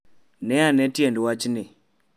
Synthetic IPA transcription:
nɛanɛtjɛndwat͡ʃnɪ

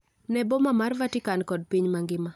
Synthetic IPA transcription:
nɛbɔmamarvatɪkankɔd̚piɲmaŋɡɪma

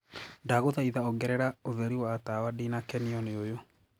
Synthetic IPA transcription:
daɣoðaiðaɔɡɛɾɛɾaoðɛɾiwaːtawadinakɛniɔneojo

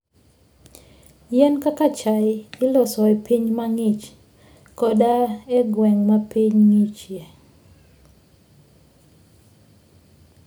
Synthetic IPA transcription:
jɛnkakat͡ʃajɪɪlɔsɔɛpiɲmaŋit͡ʃ | kɔdaeɡwɛŋmapiɲŋit͡ʃje

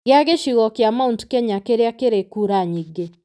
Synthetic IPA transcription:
ɣeaɣeʃiɣɔkeamauntkɛɲakeɾeakeɾekuɾaɲiɡe

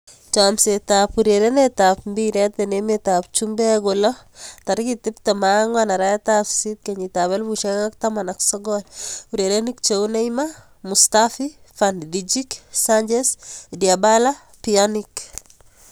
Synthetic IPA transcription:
t͡ʃamsetapuɾeɾenetapmbiɾetenemetap̚t͡ʃumbɛɡolɔtaɾkitɪptamaŋanaɾaetafsit̚keɲitaβelbuʃeŋaktamanaksɔɡɔluɾeɾenik̚t͡ʃewneima | mustafi | fanddid͡ʒiksaɲd͡ʒesdiabala | pianik

